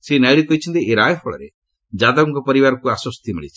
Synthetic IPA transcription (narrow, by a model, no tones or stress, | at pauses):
senajɭikɔjt͡ʃʰɔnt̪iʔeɾaːjɔpʰɔɭɔ̰ɾe | d͡ʒad̪aɔŋkɔpɔɾiβaɾɔkuasɔst̪ʰimḭɭḭt͡ʃʰi̥